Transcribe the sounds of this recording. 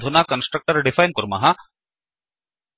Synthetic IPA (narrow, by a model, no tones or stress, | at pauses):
d̪ʱunaːkɐnsʈɾɐk̚ʈəɾɖɪfajnkɔɾuma̰ɦa